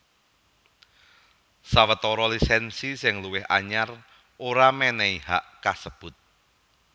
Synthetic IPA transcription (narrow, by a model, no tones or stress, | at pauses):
sawət̪ɔɾɔlisɛnsisɪŋluwɪɦa̰ɲar | ʔoɾamɛnɛihaʔkasəb̥ʊt̪̚